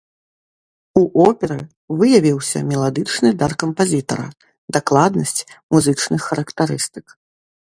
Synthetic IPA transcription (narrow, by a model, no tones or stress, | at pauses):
uʔɔpʲɛɾɨ | vɨjɐvʲiwsʲɐ̰mʲɛlˠad̪ɨt͡ʂnɨd̪arkɐmpazʲit̪ɐ̰ɾɐ̰ | d̪aklˠad̪nɐsʲt͡sʲmuzɨt͡ʂnɨxːɐɾɐkt̪aɾɨst̪ɨ̥k